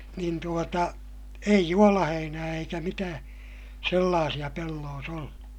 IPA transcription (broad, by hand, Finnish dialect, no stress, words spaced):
niːn tuotɑ ei juolɑheinæː eikæ mitæː selːɑːsij̆ɑ pelːoːs olːu